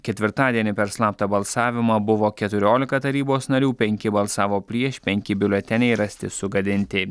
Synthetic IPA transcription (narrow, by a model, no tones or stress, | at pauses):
kʲɛt̪ʲʋʲɪɾt̪ɑːd̪ʲiɛnʲɪpʲɛɾslˠɑːp̚t̪ɐbɐlˠsɑːʋʲɪmɐbʊʋoːkʲɛt̪ʊɾʲoːlʲɪkɐt̪ɐɾʲiːboːsnɐɾʲuːpʲɛŋʲkʲɪbɐlˠsɑːʋoːpʲɾʲiɛʃpʲɛŋʲkʲɪbʲɪlʲɛt̪ʲɛnʲɛɪɾɐsʲt̪ʲɪsʊɡɐd̪ʲɪnʲt̪ʲɪ